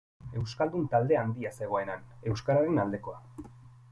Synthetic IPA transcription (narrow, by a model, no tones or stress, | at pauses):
e̞wskald̪unt̪ald̪e̞and̪iase̞ɣ̞o̞e̞nane̞wskaɾaɾenald̪e̞ko̞a